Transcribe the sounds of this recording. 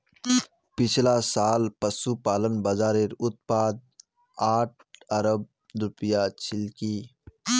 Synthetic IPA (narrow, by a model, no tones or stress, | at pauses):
pɪt͡ʃʰlasaːlpəsupaːlənbɐzaːɾɪɾʊt̪̚paːd̪̚ | aːʈ̚ʰɐɾəb̚ | ɾʊpjat͡ʃʰɪlkiː